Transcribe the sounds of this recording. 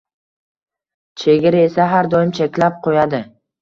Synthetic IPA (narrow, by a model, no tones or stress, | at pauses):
t͡ʃʰe̞ɡʲɪɾɪe̞saɦaɾd̪ɒjɪmt͡ʃʰekʲlap̚qʰojad̪ɪ